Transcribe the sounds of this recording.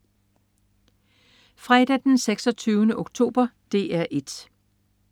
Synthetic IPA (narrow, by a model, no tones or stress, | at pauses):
fʁɛd̥æd̥enseɡ̥sɒ̽t͡sʰyːʊnəʔoɡ̥t͡sʰo̝̰ːb̥ɐd̥e̝ʔæɐʔe̝d̥